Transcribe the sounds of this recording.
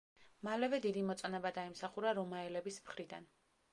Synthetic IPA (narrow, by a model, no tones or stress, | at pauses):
malɛvɛd̪id̪imɔt̪sʼɔnɛbad̪aimsaχuɾaɾɔmaɛlɛbismχɾid̪a̰n